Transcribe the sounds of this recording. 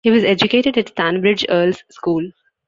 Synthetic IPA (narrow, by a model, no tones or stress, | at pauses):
hiːʋɔzed͡ʒʊkeːʈeɖɛʈsæ̃nbɾɪd͡ʒəːlzskuːl